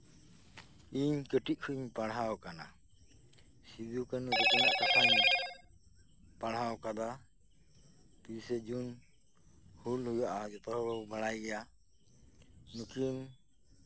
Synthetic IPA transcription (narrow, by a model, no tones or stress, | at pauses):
iɲkəʈic̚ˀkʰuʔiɲpaɽɦawkana̰ | sid̪ukanud̪ɔkɔnaʔkakʰan | paɽɦawkad̪a | pisɛd͡ʒun | hulhujaʔad͡ʒɔt̪aɾɔɽɔbaɽajɡɛja | nukʰim